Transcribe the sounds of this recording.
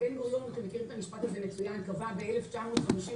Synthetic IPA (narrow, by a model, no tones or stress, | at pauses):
enmoʁjont̪emekiʁimt̪amiʃpat̪haze̞me̞t͡sujankavabeeleft͡ʃamo̞ːt̪χamiʃi